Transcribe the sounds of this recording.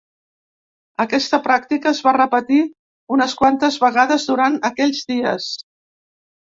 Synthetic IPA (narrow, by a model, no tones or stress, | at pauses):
əkɛst̪əpɾak̚t̪ikəːzβarəpət̪i | unəskwant̪əzβəɣaðəzðuɾanəkɛʎʲzdiə̰s